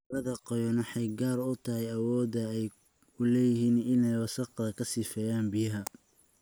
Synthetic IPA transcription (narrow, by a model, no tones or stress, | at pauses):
lɐðɐqɔjɔnɪħɛjɡaːɾʊt̪ʰɐɦɛjɐwɔːd̪ɐɛjʰ | ʊlɛːjɪɦiːnɪnɛjwɑsɑqðɐkʰɐsɪfɛːjaːnbɪjɐɦɐ